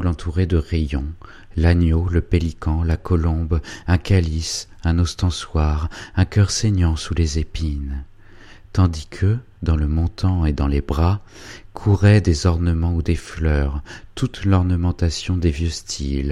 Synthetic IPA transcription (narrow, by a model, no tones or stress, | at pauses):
lɑ̃t̪ʰuʁed̪əʁejɔ̃ | lanjoləpelikʰɑ̃lakʰɔlɔ̃bɛ̃kʲalisɛ̃nɔst̪ɑ̃swaʁɛ̃kʲœʁseɲjɑ̃sulezepin | t̪ɑ̃d̪ikʰə | d̪ɑ̃ləmɔ̃t̪ɑ̃ed̪ɑ̃lebʁa | kʰuʁɛd̪ezɔʁnəmɑ̃ud̪eflœʁt̪ut̪lɔʁnəmɑ̃t̪asjɔ̃d̪evjøst̪ʰil